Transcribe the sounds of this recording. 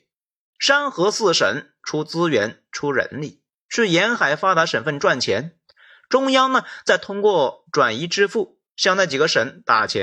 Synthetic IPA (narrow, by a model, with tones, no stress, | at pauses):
ʂa˥nxɤ˧˥sɹ̩˥˩ʂə̰˧˥n | ʈ͡ʂʰu˥t͡sɹ̩˥ɥɛ̰˧˥nʈ͡ʂʰu˥ɻə̰˧˥nli˥˩ | ʂɻ̩˥˩jɛ˧˥nxa˨˩ɪfa˥t̪a˧˥ʂə˨˩nfə˥˧nʈ͡ʂwa˥˩nt͡ɕʰjɛ̰˧˥n | ʈ͡ʂʊ˥ŋjɑ˥ŋnə˨t͡sa˥˩ɪt̪ʰʊ˥ŋkwɔ˥˩ʈ͡ʂwa˨˩ni˧˥ʈ͡ʂɻ̩˥fu˥˩ | ɕjɑ˥˧ŋna˥˩t͡ɕi˨˩ɡə˧˦ʂə˧˥nt̪a˨˩t͡ɕʰjɛ̰˧˦˥n